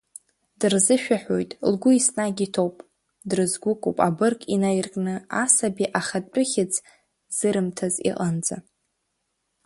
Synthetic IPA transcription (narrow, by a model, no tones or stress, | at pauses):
d̥ɨrzɨʃᶣaħʷᶣo̰jtʼlɡʷʊisnaɡʲitʰowpʼ | drɨzɡʷʊkʷʼṵpʼabɨrkʼinajirkʼnɨasabiʔaχad̚ʼʊχʲɪt͡sʰʼ | z̥ɨɾɨmtʰazḭqʼand͡za̰